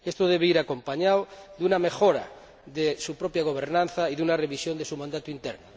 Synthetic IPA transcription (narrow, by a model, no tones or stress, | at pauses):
est̪oðeβ̞eiɾakompaɲawðunamexoɾa̰ | ðesupɾopjaɣ̞oβ̞eɾnãnθaiðunareβisjond̪esumãnd̪at̪uint̪ḛɾno